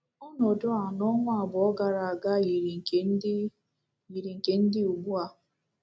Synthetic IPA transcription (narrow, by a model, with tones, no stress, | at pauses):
ɔ˦nɔ˨dɔ˦a˨nɔ˦ŋʷ˦a˨bʊ˨ɔ˦ɡa˨ɾa˨a˨ɡa˦ji˨ɾi˨ŋ̩˨e˨˦ | ji˨ɾi˨ŋ̩˨ke˨n̩˦dɪ˦u˨ɡ͡bu˦a˦